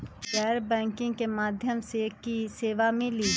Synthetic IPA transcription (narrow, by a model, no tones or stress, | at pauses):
ɡɛːɾbɛ̃ːŋkɪ̃ŋɡkemaːd̪ʱjəmsekːiseːʋamɪli